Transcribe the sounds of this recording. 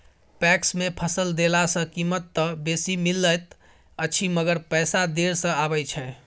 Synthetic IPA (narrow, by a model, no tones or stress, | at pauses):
pɛksmepʰəsəld̪elasə̃kimət̪ːəbesimilːəjt̪ | əːt͡ʃʰiməɡəɾpəɪsad̪eɾsə̃abəjt͡ʃʰɛ